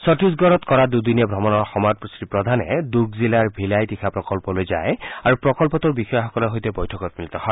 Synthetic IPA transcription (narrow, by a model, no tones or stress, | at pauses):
sɔtisɡɔɹɔt̪kɔɹadud̪inɛbʱɔmɔnɔɹxɔmat̚pusɹipɹɔd̪ʱanɛ̰duɹɡzilaɹbʱilajtixʰapɹɔkɔlpɔlojza̰jaɹupɹɔkɔlpɔt̪uɹbixɔjɔxɔkɔlɔɦojtɛbɔjtʰɔkɔt̪̚milit̪ɔhɔ